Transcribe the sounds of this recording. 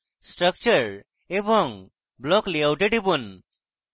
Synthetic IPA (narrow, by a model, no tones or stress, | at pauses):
sʈɾək̚t͡ʃəɾ | ebɔŋ | blɔkliawʈeʈibun